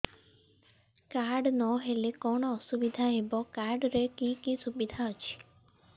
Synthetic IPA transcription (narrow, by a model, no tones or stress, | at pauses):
kaɾɖnɔɦelekɔɽ̃ɔːsubid̪ʱaebɔkaɾɖɾekikisubid̪ʱaɦɔt͡ʃʰi̥